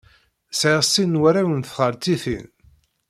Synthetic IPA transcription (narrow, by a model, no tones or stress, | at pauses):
sʕisːinwæɾæwənθʁəɾt͡sːiθḭn